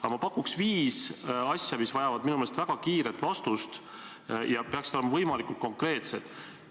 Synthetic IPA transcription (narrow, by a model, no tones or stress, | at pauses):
ɑmɑpɑkːuksviːsɑsʲjɑmisvɑjɑvɑd̪̚minumelst̪væɡ̥ɑkiːɾet̪ːˑvɑst̪ust̪ | jɑpe̞ɑksit̪oemɑvɤjmɑlikˑult̪̚ko̞ŋkre̞ːt̪se̞d̪̥